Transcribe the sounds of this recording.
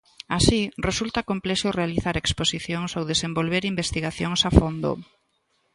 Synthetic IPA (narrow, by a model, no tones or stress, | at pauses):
asiresult̪akomplɛʃʊrealiθaɾeksposiθjoŋsowðesembolβeɾimbest̪iɣaθjoŋsafond̪o̰